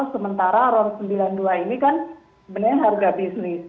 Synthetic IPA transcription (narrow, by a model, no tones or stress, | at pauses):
səmənt̪aɾaɾɔnsəmbilanduainikan | bənərɲaɦarɡabisnɪs